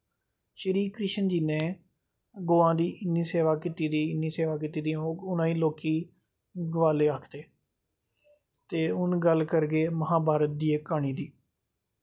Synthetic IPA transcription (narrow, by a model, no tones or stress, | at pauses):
ʃəɾiːkɾɪʃənd͡ʒiːnẽː | ɡoːãːd̪iːʔɪnːiːseːʋaːkit̪iːd̪iːɪniːseːʋaːk̬it̪iːd̪iãːoːʊnãːĩːloːkiː | ɡəʋaːleːaːkʰd̪eː | t̪eːʊnɡəlkəɾɡeːməɦãːbaːɾət̪̚d̪iːekːaːɳ̃iːd̪iː